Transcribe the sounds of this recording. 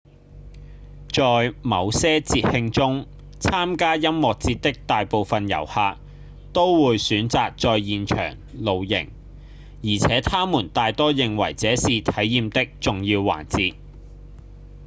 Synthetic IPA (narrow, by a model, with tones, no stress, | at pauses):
t͡ʃɔː˨˧jmɐ˨˧wsɛː˥t͡siː˧t̚hɪ˧ŋt͡sʊ˥ŋ | t͡sʰaː˥mkaː˥jɐ˥mmɔː˨k̚t͡siː˧t̚t̪ɪ˥k̚t̪aː˨jpo˨˧wfɐ˨njɐ̰˨˩whaː˧k̚ | t̪o˥wwuː˨˧jsyː˨˥nt͡saː˧k̚t͡sɔː˧jjiː˨nt͡ʃʰœ̰ː˨˩ŋlo˨wjɪ̰˨˩ŋ | jiː˨˩t͡sʰɛː˨˥t̪ʰaː˥muː˨˩nt̪aː˨˧jt̪ɔː˥jɪ˨ŋwɐ̰˨˩jt͡sɛː˨˥siː˨t̪ʰɐ˨˥jjiː˨˧mt̪ɪ˥k̚t͡sʊ˨ŋjiː˧wːa̰ː˨˩nt͡siː˧t̚